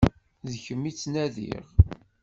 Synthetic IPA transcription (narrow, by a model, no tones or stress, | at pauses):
ðəçəmːit͡sːnæðḭʁ